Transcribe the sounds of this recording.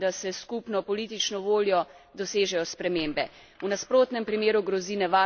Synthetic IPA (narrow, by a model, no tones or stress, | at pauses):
d̪asɛskupnɔpɔliːt̪̬it͡ʃnɔʋoːljɔd̪ɔseːʒɛjɔspɾɛmeːmbɛ | unaspɾoːt̪nɛmpɾimeːɾuɡɾɔziːnɛʋa